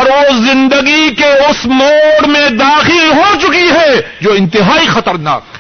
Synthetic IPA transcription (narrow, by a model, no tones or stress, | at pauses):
ɔɾʋozɪ̃nd̪əɡikeʊsmoːɽmẽd̪aːxilɦot͡ʃʊkiɦɛːd͡ʒoːɪ̃nt̪ɪɦaːixɐt̪əɾna̰ːkː